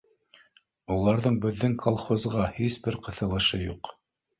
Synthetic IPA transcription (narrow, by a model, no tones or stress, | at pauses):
ulˠɑɾðɤɴbɘ̆ðːɘŋkʰolˠχozʁɑhisbɘɾqɤ̆θɤ̆lˠɤ̆ʃɤjuq